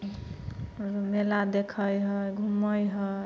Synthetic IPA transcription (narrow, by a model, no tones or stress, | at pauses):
ɾmelad̪ekʰəjɦəɡʱuməjɦə